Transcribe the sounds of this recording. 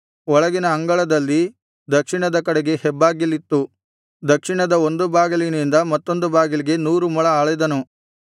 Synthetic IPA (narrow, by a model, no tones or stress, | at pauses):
ɔɭɐɡinɐːŋɡɐɭɐd̪ɐlːi | d̪ɐkʂiɳɐd̪ɐkɐɽeɡe̞hɛbːaːɡilːit̪ːu | d̪ɐkʂiɳɐd̪ɐo̞nd̪ubaːɡɐlinind̪ɐmɐt̪ːo̞nd̪ubaːɡiliɡe̞nuːɾumɐɭɐaːɭɐjd̪ɐnu